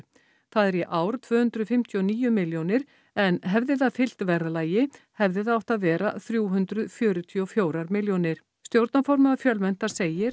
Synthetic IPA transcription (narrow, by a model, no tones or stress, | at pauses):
θaðɛɾjɛʔaːwɾ̥t̪ʰvœːhʏnt̪ɾʏðfɪm̥t̪ʰjiɔniːjʏmɪljownɪɾ | ɛnɦɛvðɪðaðfɪl̥t̪vɛɾlaːjɪ | hɛvðɪðaawht̪aðvɛːɾa̰θɾjuːɦʏnt̪ɾʏðfjœːɾʏt̪ʰiɔfjoːwɾaɾmɪljonɪɾ̥ | st̪jowɾt̪nafɔɾmaðafjœlmɛn̥t̪aɾ̥seːjɪɾ